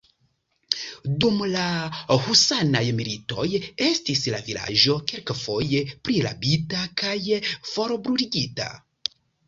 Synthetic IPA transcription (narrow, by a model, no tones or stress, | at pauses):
dumlahusanajmilito̞̰je̞stisla̰vila̰ʒo̞kelkfo̞je̞pɾila̰bitakajfo̞ɾobɾuɾiɡita̰